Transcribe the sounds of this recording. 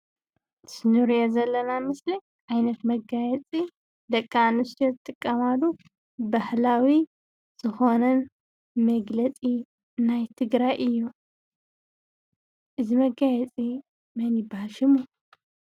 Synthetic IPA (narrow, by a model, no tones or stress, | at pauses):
sɨnuɾijozɐlːɐnamɨsli | ʕajnɐt̪mɐɡajɛt͡sʼi | d̪ɐkʼːanust̪ʰijozɨt̪ʼɨkʼːɐmalu | bahlawi | z̥ɨxo̞nɐn | mɐɡlɐt͡sʼi | najt̪ʰɨɡɾajʔɨjːu | ʔɨzimɐɡajɛt͡sʼi | mɐnjɪbahalʃɨmu